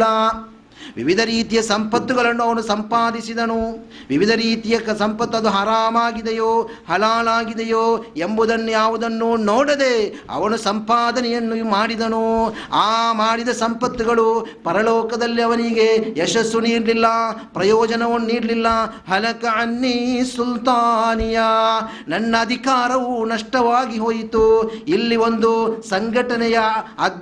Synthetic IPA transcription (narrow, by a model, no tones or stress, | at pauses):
ɐ | ʋḭʋid̪ʱɐɾiːt̪ijɐsɐmpɐt̪ːuɡɐɭɐnːuɐʋɐnusɐmpaːd̪isid̪ɐnu | ʋiʋid̪ʱɐɾiːt̪ijɐkɐsɐmpɐt̪ːuɐd̪uɦɐɾaːmaːɡid̪ejoːhɐlaːlaːɡid̪ejoːembud̪ɐnːujaːʋud̪ɐnːunoːɽɐd̪e̞ | ɐ̰ʋɐnusɐmpaːd̪ɐnɛjɐnːumaːɽid̪ɐnu | aːmaːɽid̪ɐsɐmpɐt̪ːiɡɐɭupɐɾɐlɔːkɐd̪ɐlːiɐʋɐniɡe̞eʂɐsːuniːɽlilːɐpɾɐjɔːd͡ʒɐnɐʋɐnniːɽlilːɐɦɐlɐkɐɐnːisult̪aːnija | nɐnːɐːd̪ʱikaːɾɐʋunɐʂʈɐʋaːɡiɦoːjit̪uilːiʋo̞nd̪usɐŋɡʱɐʈɐnɛjɐɐd̪